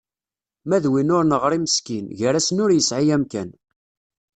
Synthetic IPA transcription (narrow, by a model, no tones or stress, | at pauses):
mæðwinʊɾnəʁɾˤiməskinʝəɾæsnʊɾjəsʕijæmkæn